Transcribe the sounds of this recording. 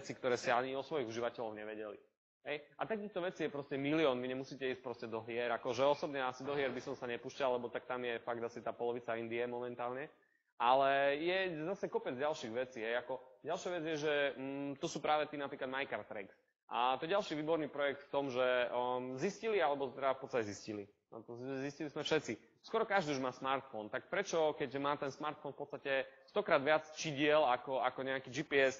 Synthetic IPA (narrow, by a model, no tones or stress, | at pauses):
ɛt͡sikt̪ɔɾɛːsiaɲiɔsʋɔjiɣuʒiʋacɛlɔʊɲɛʋɛɟɛlḭ | ɦɛjʔat̪akiːxt̪ɔʋɛt͡sijɛpɾɔscɛmiliɔːnʋiɲɛmusiːcɛiːsc̚pɾɔscɛd̪ɔɦɪɛɾakɔʒɛɔsɔbɲɛasid̪ɔɦɪɛɾbisɔmsaɲɛpuːʃcallɛbɔt̪ak̚t̪amjɛfaɡ̚d̪asit̪aːpɔlɔʋit͡saind̪iɛmɔmɛnt̪aːlɲɛ | alɛjɛzasɛkɔpɛd͡zɟalʃiɣʋɛt͡siːɦɛjakɔɟalʃjaʋɛd͡zjɛʒɛt̪ɔsuːpɾaːʋɛt̪iːnapɾiklad̪majkaɾt̪ɾɛ̰ɡs | ʔa̰t̪ɔɛɟalʃiʋiːbɔɾniːpɾɔjɛk̚t̪ft̪ɔmʒɛziscilialɛbɔt̪ɛafpɔt̪t͡sst̪acɛziscilḭ | t̪ɔziscilizmɛfʃɛt͡si | skwɔɾɔkaʒd̪iːuʒmaːsmaɾt̪fɔnt̪ak̚pɾɛt͡ʃɔkɛɟʒɛmaːt̪ɛnsmaɾt̪fɔnfpɔtt͡st̪acɛst̪ɔkɾaːd̪ʋɪat͡st͡ʃiɟɪɛlakɔakɔɲɛakiːd͡ʒiːpiɛs